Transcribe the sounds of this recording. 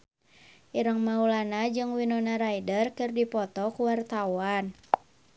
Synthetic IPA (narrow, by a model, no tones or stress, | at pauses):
ʔiɾəŋmaulanad͡ʒɨŋwinɔnaɾaidərkɨrdipɔt̪ɔkuwart̪awan